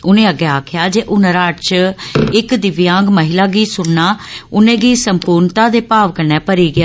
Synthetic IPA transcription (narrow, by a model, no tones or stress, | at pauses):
ʊnẽːəɡɛːaːkʰɪjaːd͡ʒeːʔʊnəɾaːt͡ʃɪkd̪ɪʋjãːɡməɦɪlaːɡiːsʊɽnaːʊnẽːɡiːsəmpuːɾɳt̪aːd̪eːpaːʋkənɛːpəɾiːɡɪjaː